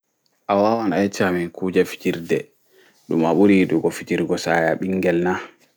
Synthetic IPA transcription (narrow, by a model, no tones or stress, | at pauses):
ʔawawanajɛt͡ʃaminkʰuːd͡ʒafi̥d͡ʒiɾdɛ | ɗumaɓuɾiɗuɡɔfit͡ʃiɾɡɔsajaɓiŋːɡɛlna